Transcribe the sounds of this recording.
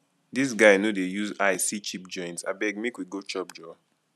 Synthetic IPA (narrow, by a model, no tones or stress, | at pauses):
dis̬ɡaɪnodejuzaɪsit͡ʃip̚d͡ʒɔ̃ɪ̃ntsa̰bɛɡ̚mikwiɡot͡ʃɔp̚d͡ʒɔ